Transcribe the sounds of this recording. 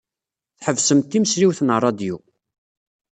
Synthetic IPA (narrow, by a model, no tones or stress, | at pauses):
θħəvsəmt̪ːiməsɾiwθnərˤːɑd̪ju